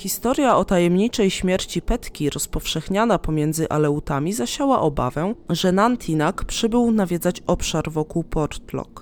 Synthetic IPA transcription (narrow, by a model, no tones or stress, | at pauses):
xʲist̪ɔɾʲjaɔt̪ajɛmɲit͡ʂɛjɕmʲjɛɾt͡ɕipɛt̪kʲiɾɔspɔfʂɛxɲanapɔmʲjɛnd̪zɘʔa̰lɛut̪amʲizaɕawa̰ʔɔba̰vɛʐɛnant̪ʰʲinakpʂɘbɘwnavʲjɛd̪zat͡ɕɔpʂaɾvɔkuwpɔɾt̪lɔ̰k